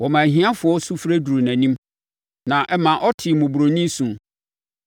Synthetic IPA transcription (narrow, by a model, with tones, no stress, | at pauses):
wɔ˨mã˨ɦĩ˦ã˦fʊ˨ɔ˦su˦fɾæ˦du˨ɾu˨næ̃˨nĩ˦m | nã˨ʔɛ˦mã˨ʔɔ˦tʰɪ˨mʊ̃˨bu˨ɾo˨nĩ˦sũ˨